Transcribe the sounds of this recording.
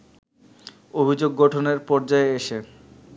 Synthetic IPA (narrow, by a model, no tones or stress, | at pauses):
obʱid͡ʑoɡːɔʈʰoneɾpɔɾd͡ʑaeeʃe